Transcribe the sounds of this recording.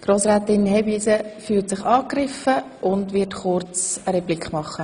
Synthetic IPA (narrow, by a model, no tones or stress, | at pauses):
ɡ̥ɾoːsɾæːtɪnhɛbiːsəfyːltsɪχɑːkrɪfə | ʊndʋɪtχʊrt͡səɾɛblikχmɑχːə